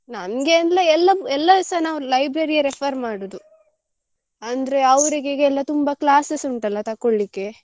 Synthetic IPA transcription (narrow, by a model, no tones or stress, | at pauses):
nɐnɡenlɐɛlːɐɛlːɐsɐnaːʋɾlɐjbɾeɾijɐɾepʰɐɾmaːɽod̪u | ɐnd̪ɐɾe̞ɐʋɾiɡeɡeɛlːɐt̪umbɐklaːsesuɳʈɐlːɐt̪ɐkːoɭːikːe̞